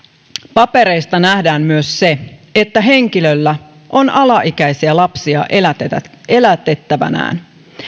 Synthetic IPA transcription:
pɑpe̞ɾe̞jst̪ɑnæhdæːmmyøsːeet̪ːæɦe̞ŋkilø̞lːæ | ʔo̞nɑlɑʔikæjsiælɑpsiɑ̰ | e̞læt̪et̪ːæʋæ̰næ̰ːn

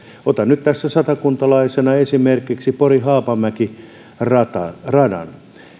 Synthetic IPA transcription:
ot̪ɑnnyt̪t̪æsːæsɑt̪ɑkunt̪ɑlɑisenɑesimerkiksiporihɑːpɑmæki | rɑt̪ɑ̰rɑdɑ̰n

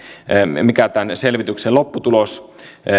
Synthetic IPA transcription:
mikæt̪ænselʋit̪ykselopːut̪ulos

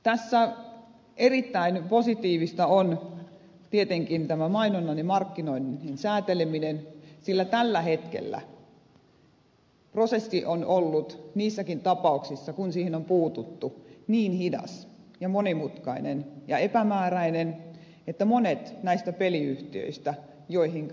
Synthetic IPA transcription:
t̪æsːæ | erit̪ːæinposit̪iːʋist̪ɑon | t̪iet̪eŋkint̪æmæmɑinonːɑnimɑrkːinoininsæːt̪eleminensilːæt̪ælːæhet̪kḛlːæ̰ | prosesːiʔonolːut̪niːsːækint̪ɑpɑuksisːɑkunsiːhenompuːt̪ut̪ːuniːnhidɑ̰s | jɑmonimut̪kɑinenjɑepæmæːræinen | et̪ːæmonet̪næist̪æpeliyht̪iø̰ist̪æ | joihiŋ

